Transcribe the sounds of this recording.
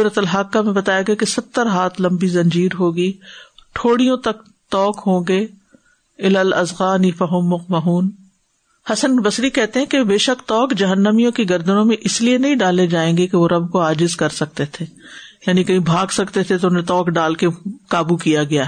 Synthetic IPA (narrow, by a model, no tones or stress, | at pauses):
ʊɾət̪əlɦaːkːamẽbɐt̪aːjaɡɐakesɐt̪ːəɾɦaːt̪ʰlɐ̃mbizɐ̃ɲd͡ʒiːɾɦoːɡiːʈʰoːɽijõt̪ɐk̚ | t̪ɔːkɦõːɡeː | ɪlaːlɐzɣaːnifɐɦʊmːʊq̚mɐɦuːn | hɐsənbɐsɾikɛɦt̪eɦɛ̃kebeːʃɐkt̪ɔːkd͡ʒɐɦənːəmijõkiɡɐɾd̪ənõmẽʔɪslienɐɦĩɖaːled͡ʒaːẽːŋɡekeʋoɾɐbkoaːd͡ʒɪzkɐɾsɐk̚t̪et̪ʰeː | jaːnikɐɦĩbʱaːɡsɐkt̪et̪ʰet̪oʊnẽt̪ɔːkɖaːlkekaːbukijaɡɐja